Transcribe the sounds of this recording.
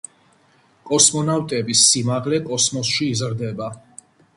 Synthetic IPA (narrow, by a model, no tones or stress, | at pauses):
kʼɔsmɔnawt̪ʼɛbisːimaʁlɛkʼɔsmɔsʃiːzɾd̪ɛba